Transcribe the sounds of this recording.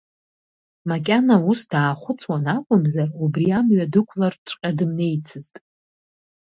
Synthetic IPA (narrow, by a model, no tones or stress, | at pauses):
makʲʼanausd̥aːχʷʊt͡sʰwanakʷʼʊmzarubriamɥadɨkʷʰlarʈ͡ʂʷʼqʲʼadɨmne̞jt͡sʰɨztʼ